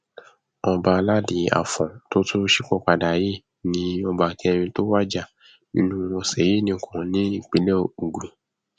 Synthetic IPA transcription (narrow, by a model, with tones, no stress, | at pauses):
ɔ˧ba˧la˦di˨˦a̰˨fɔ̃˨to˦tʰo˦ʃi˦˨kɔ˦˨k͡pa˨da˨je˦ | nĩ˨˦ɔ˧ba˨ki˦ɛ˧ɾ̃ĩ˧to˦wa˦d͡ʒa˦˨ | nḭ̃˦nũ˦ɔ˧sɛ˨˦je˦˨nĩ˧˦˨kʰũ˨nĩ˦i˦˨k͡pe˨˦le˦˨u˨ɡũ˨